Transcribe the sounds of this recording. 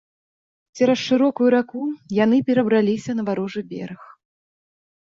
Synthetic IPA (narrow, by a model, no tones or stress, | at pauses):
t͡sʲɛɾɐsʂɨɾɔkujuɾakujanɨpʲɛɾɐbɾalʲisʲɐnɐvaɾɔʐɨbʲɛ̰ɾɨx